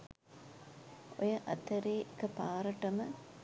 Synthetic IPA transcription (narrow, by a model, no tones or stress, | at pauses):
o̰jɐʔɐt̪ɐɾeːkɐpaːɾɐʈɐmɐ